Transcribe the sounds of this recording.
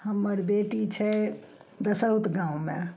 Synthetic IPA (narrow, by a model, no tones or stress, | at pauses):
həmːəɾbeʈit͡ʃʰɛ | d̪əsəɦut̪ɡãũmḛ